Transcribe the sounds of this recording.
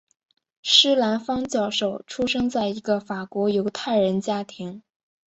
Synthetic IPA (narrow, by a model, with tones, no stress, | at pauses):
ʂɻ̩˥la˧˥nfɑ˥ŋt͡ɕjɑ˥˩ʊʂo˨˩ʊʈ͡ʂʰu˥ʂɤ˥ŋt͡sa˥˩ɪi˧˥ɡə˧fa˨˩kwɔ˧˥jo˧˥ʊt̪ʰa˥˩ɪɻə˧˥nt͡ɕja˥t̪ʰi˧˥ŋ